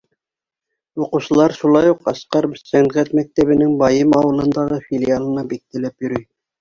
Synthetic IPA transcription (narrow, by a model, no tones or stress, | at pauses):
oquʃəlˠɑɾʃulˠɑjuqɑsqɑɾsæŋʁæt̪mæk̚t̪æbɘ̆nɪŋbɑjɤmɑwɤ̆lˠɤ̆nd̪ɑʁɤfilʲijɑlˠɤ̆nɑbik̚t̪ʰɪ̆læpjyɾyj